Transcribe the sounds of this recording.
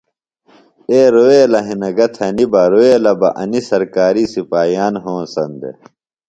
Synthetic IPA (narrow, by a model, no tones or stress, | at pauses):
eːɾoeːlɐɦinɐɡɐt̪ʰɐnibɐɾoːelɐbɐ̰ʔɐ̰nisɐɾkaːɾiːsipaːjaːnɦõːsɐ̰nd̪ḛ